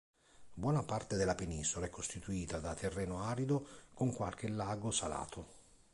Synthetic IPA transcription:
bwɔːnapart̪ed̪elːapeniːsolaɛkːost̪it̪uiːt̪ad̪at̪ːerːɛːnoaːɾid̪okoŋkwa̰lk̟ɪlːaːɡosala̰ːt̪ʰo

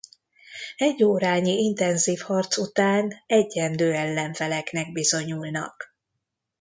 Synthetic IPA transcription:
ɛɟːoːɾaːɲiint̪ɛnziːfhɒrt̪sut̪aːnɛɟːɛnd̪øːɛlːɛɱfɛlɛknɛɡ̚bizo̞ɲulnɒ̰k

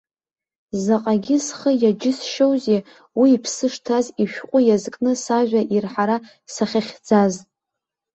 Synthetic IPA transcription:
zaqʼaɡʲɪsχəjad͡ʒɪsʃowze | wiːpʰsɨʂtʰaziʃᶣqʷʼʊjazkʼnɨsaʒᶣʷaʔirħaɾa | saχʲaχʲd͡zaz

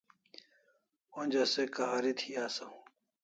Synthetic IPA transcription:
õnd͡ʑɐsekaːɾit̪ʰiaːsɐũ

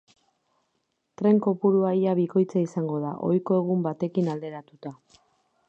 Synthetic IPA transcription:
t̪ɾe̞ŋko̞puɾuajaβiko̞jt͡saisaŋɡo̞ð̞a̰ʔo̞jko̞e̞ɣ̞umbat̪e̞kinald̪e̞ɾat̪ut̪a

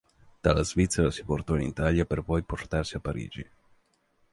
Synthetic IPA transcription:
d̪̥alazvit̪sːɛɾasi̥port̪ɔinit̪aljaperpɔjport̪arsiapːaɾḭːd͡ʒi

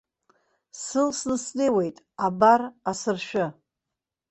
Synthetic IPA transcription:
sɨlsnɨsnejwe̞jtʼ | abarasɨrʃᶣʊ

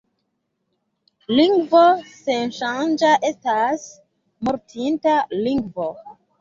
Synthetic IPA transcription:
liŋɡvosenʃand͡ʒaʔe̞stas | moɾtʰintaliŋɡvo

